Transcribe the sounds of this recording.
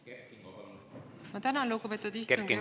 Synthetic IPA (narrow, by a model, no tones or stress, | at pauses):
mɑt̪ænɑlukːupet̪ːˑud̪isteuŋɡi